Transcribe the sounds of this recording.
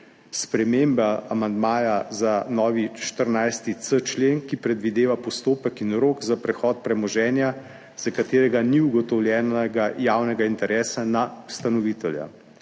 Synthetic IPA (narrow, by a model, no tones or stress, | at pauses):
spɾɛmeːmbaamand̪maːjazanɔːʋiʃt̪əɾnajst̪it̪sət͡ʃleːnkipɾɛd̪ʋid̪eːʋapɔst̪oːpəkinɾoːkzapɾɛxɔːt̪̚pɾɛmɔʒɛːnja | z̥akat̪eːɾɛɡaniuɡɔt̪ɔwlʲjɛːnɛɡajaːwnɛɡaint̪ɛɾʔɛːsanaust̪anɔʋiːt̪ɛlja̰